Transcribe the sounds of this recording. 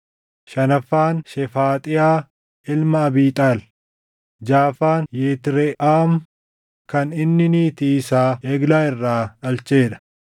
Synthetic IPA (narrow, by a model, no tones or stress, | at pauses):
ʃɐnɐfːaːnʃɛfaːt̪ʼɪjaː | ɪlmɐːbiːt̪ʼaːl | d͡ʒaːfaːnjeːt̪ɪɾɛʔaːm | kɐnɪnːɪniːt̪iːsaːeːɡlaːɪrːaːᶑɐlt͡ʃe̞ːᶑɐ̥